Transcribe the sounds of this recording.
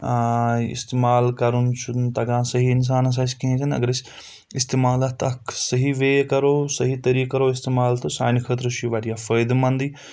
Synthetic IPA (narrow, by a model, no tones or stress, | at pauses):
ɪ̰st̪eːmaːlkɐɾunt͡ʃʰut̪ɐɡãːsɐɦiːɪns̬aːnɐs̬ãːt͡ʃkĩẽt͡ʃʰɐnɐ̰ɡəɾɪs | ɪst̪eːmaːlat̪ɐkʰsɐɦiʋeːkɐɾoːsɐɦit̪ɐɾiːkɐɾoːɪst̪eːmaːlt̪ɐsa̰ːɪnikʰət̪ɾʃiʋaːɾijaːfəːjd̪mɐ̃nd̪iː